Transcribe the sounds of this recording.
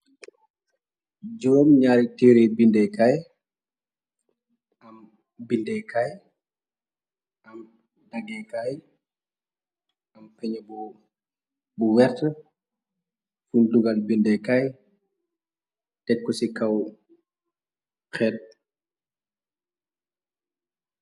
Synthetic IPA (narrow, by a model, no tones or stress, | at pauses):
d͡ʒuwmɲaːɾitiːɾebindɛkaj | ɐm | bindɛkʰaj | ʔɐm | daɡɛkaj | ɐmpɛɲəbu | buwɛɾtə | funduɡalbindɛkaj | tɛkːɔsikɐw | xɛːt̚